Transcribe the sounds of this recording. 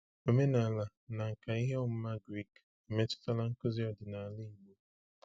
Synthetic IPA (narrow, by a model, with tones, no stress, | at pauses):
o˦me˦na˨la˨ | na˨ŋ̩˨ka˨i˦ɦe˦ɔ˦m̩˦ma˦ɡɾi˦˨k | e˨me˦tʊ̥˦ta˦la˦ŋ̩˦kʊ˦zi˦ɔ˦dɪ˨na˨lɪ˦i˨mo˦